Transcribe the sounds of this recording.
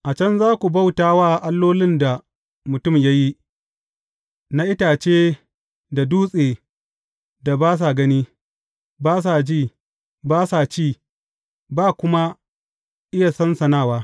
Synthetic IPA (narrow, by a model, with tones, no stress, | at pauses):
ʔa˨t͡ʃɐ˦nzaː˦kʷu˨ba˦wtaː˦waː˦˨ʔa˦lːoː˦lɪ˦nda˨ | mʊ˨tʊ˦˨mja˦ji˦ | na˦ʔɪ˦taː˨t͡ʃeː˦ | da˨duː˦sʼeː˨ | da˨baː˦s̬a˨ɡɐ˦niː˦ | baː˦s̬a˨d͡ʒiː˦˨ | baː˦sa˨t͡ʃiː˦˨ | baː˦˨kʷʊ˦ma˦ | ʔɪ˦ja˨sɐ˦nsɐ˨naː˦˨waː˦